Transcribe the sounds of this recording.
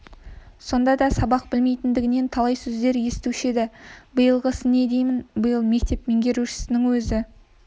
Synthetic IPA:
so̞nd̪ɑd̪ɑsɑbɑq̚bɪlme̞jt̪ɪnd̪ɪɡʲɪne̞nt̪ʰɑlˠɑjsɵzd̪e̞ɾje̞st̪uʃed̪ɪbəjəlˠʁəsəne̞d̪e̞jmɪnbəjəlˠme̞k̚t̪e̞pme̞ŋɡʲe̞ɾuʃɪ̥sɪnɪŋwɵzɪ

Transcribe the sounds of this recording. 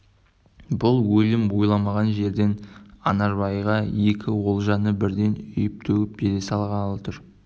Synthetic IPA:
bʊlˠwɵlɪmbojlˠɑmɑʁɑnʒe̞ɾd̪e̞nɑnɑɾbɑjʁɑje̞kʲʰɪwo̞lˠʒɑnəbɪɾd̪e̞nʏjɪp̚t̪ʰɵɡɪp̚beɾesɑlˠʁɑɑlˠɑt̪ʰʊɾ

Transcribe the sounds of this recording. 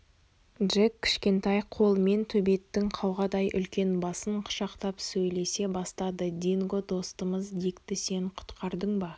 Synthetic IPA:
dʒekʲːʰɪ̥ʃkʲe̞nt̪ɑjqʰo̞lˠme̞nt̪ʰɵbe̞t̪ːɪŋqʰɑwʁɑd̪ɑjʔʏ̰lkʲe̞nbɑsəɴqʰʊ̥ʃɑqt̪ɑpsɵjle̞se̞bɑst̪ɑd̪əd̪ʲiŋɡod̪o̞st̪əməzd̪ekt̪ɪse̞ɴqʰʊ̥t̪qʰɑɾd̪əɴbɑ

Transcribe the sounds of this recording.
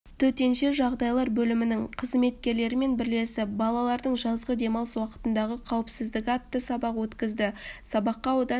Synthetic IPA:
t̪ʰɵt̪e̞nʃe̞ʒɑʁd̪ɑjlˠɑɾbɵlɪmɪnɪŋqʰəzme̞t̪kʲe̞ɾle̞ɾɪme̞nbɪɾle̞sɪp̚bɑlˠɑlˠɑɾd̪əɴʒɑzʁəd̪e̞mɑwswɑqə̥t̪ənd̪ɑʁəqʰɑwəpsɪzd̪ɪkʲɑt̪ːəsɑbɑqwɵt̪kʲɪzd̪ɪsɑbɑqːɑwod̪ɑ

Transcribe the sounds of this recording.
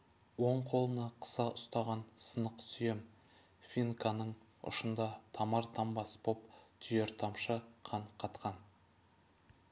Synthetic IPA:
woɴqʰo̞lˠənɑqʰə̥sɑʔʊst̪ɑʁɑnsənəqsʏjem | fʲinkʰanəɴ | ʊ̰ʃənd̪ɑt̪ʰɑmɑɾt̪ʰɑmbɑsbopt̪ʰʏjeɾt̪ʰɑmʃəqʰɑɴqʰɑt̪qɑn

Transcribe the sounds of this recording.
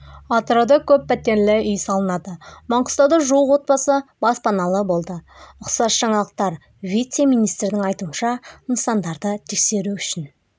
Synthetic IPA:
ɑt̪ɾod̪əkʲʰɵpːæt̪ːe̞nlɪʏjsɑlˠənɑd̪əmɑɴqʊst̪ɑd̪əʒuwəqwo̞t̪̚bɑsəb̥ɑspɑnɑlˠəbo̞lˠd̪əʊqsɑsʒ̥ɑɴɑlˠəq̚t̪ɑɾ | vʲijt̪semijnijst̪ɾɪd̪ɪŋɑjt̪uənʃɑənsɑnd̪ɑɾd̪ət̪ʰe̞kse̞ɾuʏʃɪn

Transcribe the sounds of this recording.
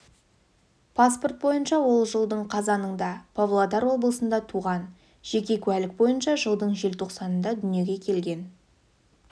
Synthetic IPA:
pʰaspo̞rt̪̚bo̞jənʃɑwo̞lˠʒəlˠd̪əɴqʰɑzɑnəɴd̪ɑpʰovlˠod̪ɑɾwo̞bəlˠəsənd̪ɑt̪ʰuʁɑn | ʒ̥e̞kʲe̞kʲʰʉælɪk̚bo̞jənʃɑʒəlˠd̪əɴʒe̞lt̪ʰo̞qsɑnənd̪ɑd̪ʏnje̞ɡʲe̞kʲʰe̞lɡʲe̞n

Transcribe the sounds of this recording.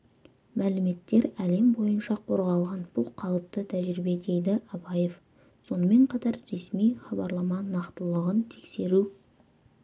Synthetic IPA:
mælɪme̞t̪ːe̞ɾæle̞mbo̞jənʃɑqʰo̞ɾʁɑlˠʁɑnb̥ʊlˠqʰɑlˠəp̚t̪ət̪ʰæʒɾibe̞d̪e̞jd̪ɪʔɑbɑje̞f | so̞nəme̞ɴqʰɑt̪ɑɾːe̞smijχɑbɑɾlˠɑmɑnɑqt̪əlˠəʁənt̪ʰe̞kse̞ɾu

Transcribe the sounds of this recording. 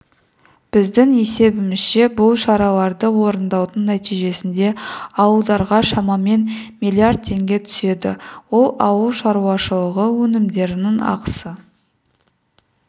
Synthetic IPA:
b̥ɪzd̪ɪŋe̞se̞bɪmɪz̥ʃe̞bʊlˠʃɑɾɑlˠɑɾd̪əwo̞ɾənd̪ɑwd̪əɴnæt̪ijʒe̞sɪnd̪e̞ɑwəlˠd̪ɑɾʁɑʃɑmɑme̞nmilʲˠiard̪̚t̪ʰe̞ŋɡʲe̞t̪ʰʏ̥se̞d̪ɪ̰wo̞lˠɑwəlˠʃɑɾuwɑʃəlˠəʁəwɵnɪmd̪e̞ɾɪnɪŋɑ̰qə̥sə

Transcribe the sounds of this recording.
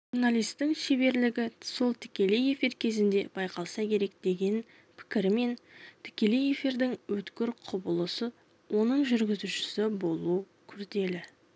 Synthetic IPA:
ʒuɾnalijst̪ːɪŋʃebe̞ɾlɪɡʲɪso̞lˠt̪ʰɪ̥kʲe̞leje̞fiɾkʲʰe̞zɪnd̪e̞b̥ɑjqʰɑlˠsɑkʲʰe̞ɾe̞k̚d̪̥e̞ɡʲe̞n | pʰɪ̥kʲɪɾɪme̞nt̪ʰɪ̥kʲe̞leje̞fiɾd̪ɪŋwɵt̪kʲɪɾqʰʊbəlˠəsə | wʔo̞nəɴʒʏɾɡʲɪzuʃɪ̥sɪbo̞lˠu | kʲʰʏɾd̪e̞lɪ

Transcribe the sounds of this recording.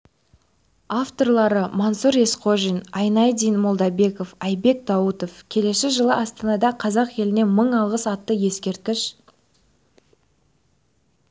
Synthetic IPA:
aft̪o̞rlˠɑɾəmɑnsuɾe̞sqʰoʒijnɑjnɑjd̪ijnmolˠd̪ɑbe̞ko̞fɑjbe̞k̚d̪ɑwət̪o̞fkʲʰe̞le̞sɪʒəlˠəʔɑst̪ɑnɑd̪ɑqʰɑzɑqje̞lɪne̞məɴɑlˠʁəsɑt̪ːəje̞skʲe̞ɾt̪̚kʲɪʃ

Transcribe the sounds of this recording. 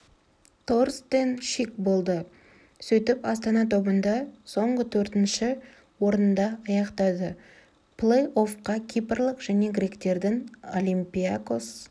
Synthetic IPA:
t̪ʰorst̪enʃikbo̞lˠd̪ə | sɵt̪ɪpɑst̪ɑnɑt̪ʰo̞bənd̪ɑso̞ɴʁət̪ʰɵɾt̪ɪnʃɪ | wo̞ɾnənd̪ɑɑjɑqt̪ɑd̪ə | plˠejo̞fqɑkʲʰijpərlˠəqʒ̥æne̞ɡɾʲe̞kt̪e̞ɾd̪ɪŋolʲijmpʲiakos

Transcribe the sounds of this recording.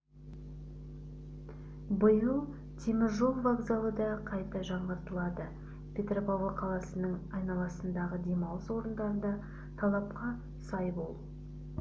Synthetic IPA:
bʊjulˠ | t̪ʰemɪɾʒolˠvaɡzalˠəd̪ɑqʰɑjt̪ɑʒɑɴʁəɾt̪əlˠɑd̪ə | pʰʲe̞t̪ropaʁəqʰɑlˠɑsənəɴɑjnɑlˠɑsənd̪ɑʁəd̪e̞mɑwswo̞ɾənd̪ɑɾənd̪ɑ | t̪ʰɑlˠɑp̚qɑ | sɑjbolˠ

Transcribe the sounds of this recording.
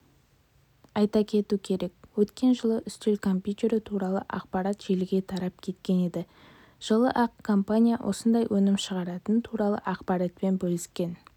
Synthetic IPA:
ɑjt̪ɑkʲʰe̞t̪ukʲʰe̞ɾe̞k̚wɵt̪kʲe̞nʒəlˠəʔʏst̪elkʰo̞mpʲjut̪ʲe̞ɾɪt̪ʰuɾɑlˠə̰ʔɑ̰qpɑɾɑt̪ʒ̥elɪɡʲe̞t̪ʰɑɾɑp̚kʲʰe̞t̪̚kʲe̞ne̞d̪ɪ | ʒ̥əlˠəʔɑqkʰompanʲijawʔo̞̰sənd̪ɑjwʔɵnɪmʃəʁɑɾɑt̪ənt̪ʰuɾɑlˠə̰ʔɑqpɑɾat̪̚pe̞nbɵlɪskʲe̞n

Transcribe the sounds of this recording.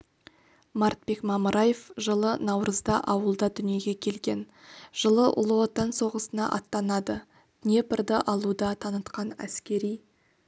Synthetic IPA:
mɑɾt̪̚be̞kmɑməɾʔɑjefʒəlˠənɑwɾʔəzd̪ɑʔɑwəlˠd̪ɑd̪ʏnije̞ɡʲe̞kʲʰe̞lɡʲe̞n | ʒ̥əlˠəʔʊ̰lˠəwot̪ɑnso̞ʁəsənɑ̰ʔɑt̪ːɑnɑd̪ə | t̪nʲe̞pɪɾd̪əʔɑlˠud̪ɑt̪ʰɑnət̪qɑnæ̰skʲe̞ɾij

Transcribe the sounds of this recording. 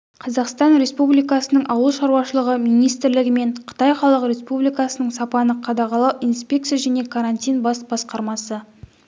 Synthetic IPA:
qʰɑzɑqst̪ɑnɾʲe̞spublijkɑsənəɴʔɑwəlˠʃɑɾuwɑʃəlˠəʁəmijnijst̪ɪɾlɪɡʲɪme̞ɴqʰə̥t̪ɑjχɑlˠəqɾʲe̞spublijkɑsənəɴsɑpɑnəqʰɑd̪ɑʁɑlˠɑwijnspʲe̞k̚t̪sijaʒæne̞kʰaɾanʲt̪ʲijnbɑsbɑsqɑɾmɑsə

